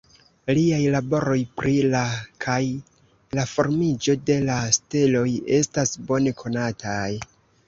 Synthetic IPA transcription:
liajlabo̞ɾo̞jpɾilakʰaj | lafo̞ɾmid͡ʒo̞de̞lastelo̞je̞stasbo̞ne̞kʰo̞natʰaj

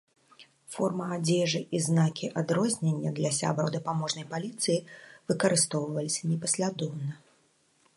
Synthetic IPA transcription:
fɔrmɐad͡zʲɛʐɨʔiznakʲʰiʔad̪ɾɔzʲnʲenʲːɐd̪lʲɐsʲa̰bɾɐwd̪ɐpamɔʐnɐjpalʲit̪sɨjivɨkɐɾɨst̪ɔwvɐlʲisʲɐnʲɛpɐsʲlʲad̪ɔwnɐ

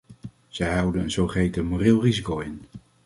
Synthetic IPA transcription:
z̥ɛjɦʌwdənənzowχərejtəmorɪːlˠrizikowɪn

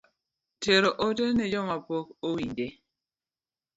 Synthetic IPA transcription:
teɾoʔotenɛd͡ʒɔmapokowḭde

